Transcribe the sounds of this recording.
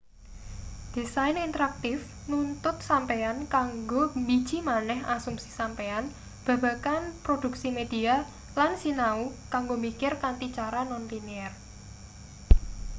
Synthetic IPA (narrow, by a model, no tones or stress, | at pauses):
d̥isajnint̪əɾak̚t̪ɪf | nunt̪ʊt̪̚sampeankaŋɡomi̥ʒ̥i̤manɛɦasumsi̥sampean | b̥a̤b̥a̤kanpɾod̥ṳksimed̪̥i̤a | lansinaukaŋɡomikɪrkant̪it͡ʃaɾanɔnt̪iniɛr